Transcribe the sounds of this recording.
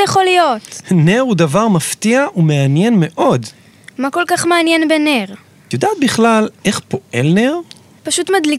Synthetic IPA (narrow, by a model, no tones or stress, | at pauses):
jeχolijot̪neʁudavaʁmaft̪iaʔumeanje̞nme̞ʔo̞d | mako̞lkaχmeanjenbeneʁ | t̪jod̪aːt̪̚biχlalʔe̞χpo̞ʔe̞lneʁ | paʃut̪mad̪li